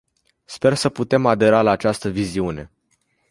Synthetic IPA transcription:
spe̞rsəput̪e̞mad̪e̞ɾalaːt͡ʃast̪əviziune̞̰

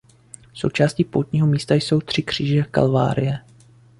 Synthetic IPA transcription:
so̞̰wt͡ʃaːsciːpo̰wt̪ɲiːɦo̞miːst̪ajso̞wt̪r̝̥ɪkr̝̥iːʒɛka̰lva̰ːɾɪjɛ

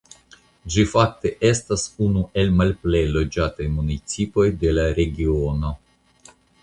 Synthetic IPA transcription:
d͡ʒifak̚te̞ʔe̞stasunuʔe̞lmalple̞jlo̞d͡ʒatajmunit͡sipo̞jde̞laɾe̞ɡio̞no̞

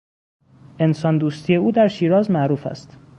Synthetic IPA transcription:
ʔe̞nsɒːnd̪uːst̪ʰije̞uːd̪æɾʃiːɾɒːzmæʔɾuːfæ̰st̪

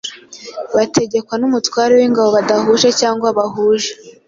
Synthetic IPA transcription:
βatʰe̞ɟe̞kwanumutwaːɾewiŋɡaβoβadaɦuʒe̞caːŋɡwaβaɦuːʒe

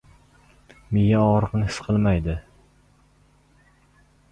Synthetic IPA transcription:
mɪjaɒɾɨqnɪhɪ̥sqʰɨlˠmajd̪ɪ

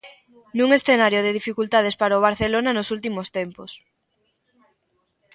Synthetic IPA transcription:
nũŋesθenaɾjoðeð̞ifikult̪að̞espaɾaoβ̞aɾθelonanosult̪̬imost̪empos

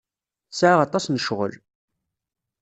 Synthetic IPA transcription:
θsʕaʁɑt̪ˤɑsnəʃʁə̰l

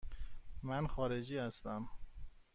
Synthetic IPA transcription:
mænxɒːɾed͡ʒiːhæst̪æm

